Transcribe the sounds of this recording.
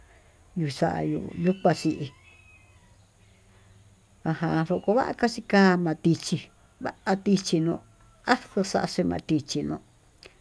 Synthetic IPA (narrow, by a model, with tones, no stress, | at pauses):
ju˧sa̰˧ʔa̰˧jṵ˧ʔju˦kʷa˧si˧ʔi˧ | a˧hã˧ʂo˧ko˧βa˦ʔa̰˧ka˦ʂi˧kaː˦mã˧t̪i˧t͡ʃi˧ | βa˦ʔa˧t̪i˧t͡ʃi˧nõ˧ | a˦so˧sa˧ʔa˧ʂe˧mã̰˧t̪i˧t͡ʃi˧nõ˧